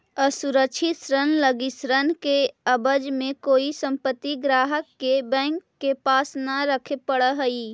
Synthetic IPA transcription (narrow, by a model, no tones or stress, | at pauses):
əsuɾəkʃʰit̪sɾənləɡisɾənkeəbəd͡ʒmẽkoːisə̃mpət̪ːiɡɾaːɦəkːebɛ̃ːŋkːepaːsnaɾəkʰepəɽəɦəi